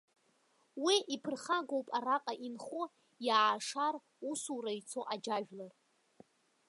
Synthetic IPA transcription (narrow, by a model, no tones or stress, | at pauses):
wiʔipʰɨrχaɡo̞wpʼaɾaqʼaʔinχo | jaʕaʂar | usuɾait͡sʰo̞ʔad͡ʒaʒᶣlar